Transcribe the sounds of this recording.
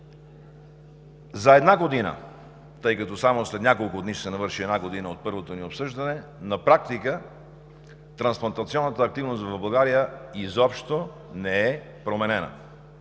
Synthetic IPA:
zɐɛd̪naɡod̪inə̰ | t̪ɤjkɐt̪ɔsamoslɛt̪nʲakolˠkʊd̪niʃsɛnɐvəɾʃiɛd̪naɡod̪inəot̪̚pɤɾvot̪oniopsɤʒd̪ɐnɛnɐpɾak̚t̪ikə | t̪ɾɐnsplˠɐnt̪ɐt̪siɔnːət̪əːk̚t̪ivnost̪vɐvbɐlˠɡaɾijəizɔpʃt̪o | nɛɛ | pɾomɛnɛnə̰

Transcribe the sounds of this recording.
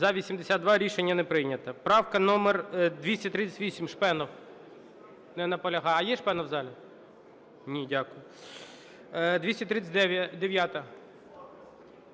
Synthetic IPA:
zɐʋʲisʲimd̪esʲad̪d̪ʋɑɾʲiʃenʲːɐnɛpɾɪjnʲɐt̪ɐpɾɑwkɐnɔmerd̪ʋʲisʲtʲɐt̪ɾɪt͡sʲːɐ̥tʲʋʲisʲimʃpɛnɔw | nɛnɐpɔlʲɐɦɑɐjɛʃpɛnɔwzɑlʲɐ | nʲidʲakʊjʊ | d̪ʲʋʲisʲtʲɐt̪ɾɪt̪t͡sʲɐd̪eʋʲjat̪ɐ

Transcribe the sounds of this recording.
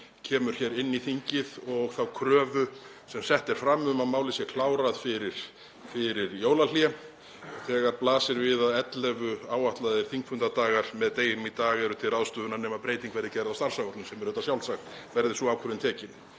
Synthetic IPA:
cʰɛːmʏɾ̥çɛːɾɪnːiθiɲcɪðɔɣθawkʰɾœːvʏ | sɛmsɛht̪ɛɾ̥fɾamʏmaðmaːwlɪsjɛkʰlaːwɾaðfɪɾɪɾ̥ | fɪɾɪɾjoːwlal̥jɛ | ɔɣθɛːɣaɾplaːsɪɾvɪðaðɛt̪lɛvʏaːwaht̪laðɪɾ̥θiŋkfʏnt̪at̪aːɣaɾ̥mɛðt̪eːjɪnʏmit̪aːɣɛɾʏt̪ʰɪlrawðst̪ʏːðʏnaɾnɛːmapɾeːjt̪iŋkʰvɛɾðɪcɛɾɪðawst̪aɾ̥saɣɔɾt̪nʏmsɛmɛɾʏːt̪asjawlsaxt̪ | vɛɾðɪsɔaːwkʰœɾʏnt̪ʰɛːcɪn

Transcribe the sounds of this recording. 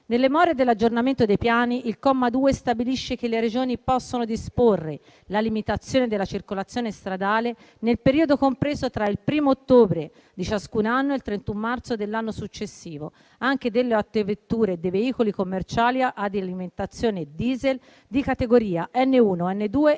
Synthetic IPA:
nelːemɔːɾed̪elːad͡ʒornament̪od̪ejpjaːniʔilkɔmːad̪uːest̪abiliʃːek̟elːeɾed͡ʒoːnipɔsːonod̪isporːe | lalimit̪at̪sːjoːned̪elːat͡ʃirkolat̪sːjoːnest̪ɾad̪aːle | nelpeɾiːod̪okompɾeːzot̪ɾailpɾiːmoːt̪ːoːbɾe | d̪it͡ʃaskunanːoelt̪ɾent̪umːart̪sod̪elːanːosut͡ʃːesːiːvo | aŋk̟ed̪elːeat̪ːevet̪ːuːɾed̪eveiːkolikomːert͡ʃaːliaʔad̪ialiment̪at̪sːjoːned̪iːzel | d̪ikat̪eɡoɾiːaʔɛnːeuːnoɛnːed̪uːe

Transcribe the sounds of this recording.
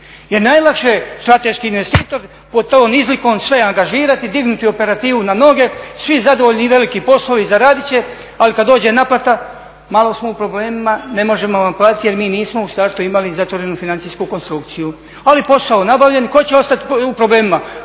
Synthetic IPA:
je̞ɾnajlˠakʃest̪ɾat̪e̞ʃkiːnʋe̞st̪iːt̪o̞ɾ | po̞t̪oːnizliko̞ːmsʋe̞aŋɡaʒiːɾat̪id̪iɡnut̪io̞pe̞ɾat̪iːʋunano̞ɡe̞sʋizad̪o̞ʋoʎʲniʋe̞likipo̞sloʋizaɾaːd̪it͡ɕe̞ | alikad̪o̞ːd͡ʑe̞naplat̪a | malˠo̞smoupɾo̞ble̞ːmimane̞mo̞ʒe̞moʋamplˠaːt̪it̪ije̞ɾmiːniːsmo̞usaːɾt̪uimalizat̪ʋoɾe̞nufinant̪ijskuko̞nst̪ɾukt̪siju | alipo̞saonabaʋʎe̞nko̞t͡ɕe̞o̞st̪at̪iupɾo̞ble̞ːmima

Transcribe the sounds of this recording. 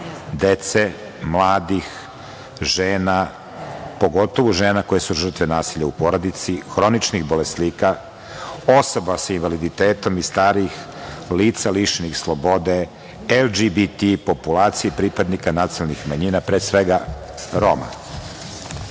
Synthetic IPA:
d̪et̪se | mlˠaːd̪ix | ʒeːna | po̞ɡo̞t̪o̞ʋuʒeːnako̞jesuʒr̩t̪ʋenaːsiʎaupo̞ɾod̪it̪sixɾo̞nit͡ʃnixbo̞lesliːka | oso̞basainvalid̪it̪eːt̪o̞mist̪aːɾix | liːt̪saliʃnixslˠo̞bo̞d̪e | elˠd͡ʒibit̪ipo̞pulaːt̪sijepɾipad̪nikanat̪silnixmaɲinapɾeːsʋeɡa | ɾoma̰

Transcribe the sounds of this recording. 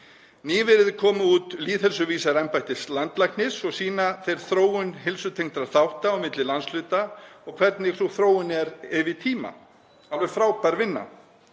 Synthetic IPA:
niːvɪɾɪðkʰɔːmʏuːt̪liːðhɛlsʏviːsaɾɛmpajht̪ɪslant̪lajknɪsɔɣsiːnaθejɾ̥θɾoːwʏnɦɪlsʏt̪ʰejŋ̥t̪ɾaɾθawht̪awmɪt̪lɪlanslʏːt̪aɔɣkʰv̥ɛɾt̪nɪɣθuθɾoːwʏnɛɾɪvɪt̪ʰiːma̰ | alvɪ̥fɾaːwpaɾvɪnːa̰

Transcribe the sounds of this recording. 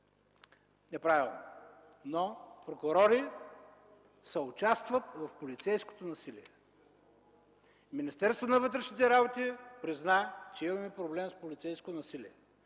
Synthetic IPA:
nɛpɾavilˠno̰ | nopɾokʊɾɔɾi | sɛʊt͡ʃast̪vɐt̪vɐfpolit̪sɛjsko̥t̪onɐsiliɛ | minist̪ɛɾst̪vonɐvət̪ɾɛʃnit̪ɛɾabot̪ipɾiznat͡ʃɛimɐmɛpɾoblɛmspolʲit̪sɛjskot̪nɐsiliɛ

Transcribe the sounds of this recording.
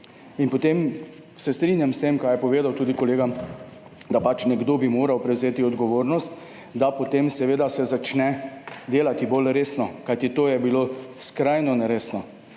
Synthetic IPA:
inpɔt̪em | sɛst̪ɾiːnjamst̪emkajɛpɔʋeːd̪awt̪uːd̪ikɔleːɡa | d̪apat͡ʃnɛɡd̪oːbimoːɾawpɾɛwzeːt̪iɔd̪ɡɔʋoːɾnɔst̪ | d̪apɔt̪emsɛʋeːd̪asɛzat͡ʃnɛd̪eːlat̪ibolɾeːsnɔkajt̪it̪oːjɛbiloskɾajnɔnɛɾeːsnɔ

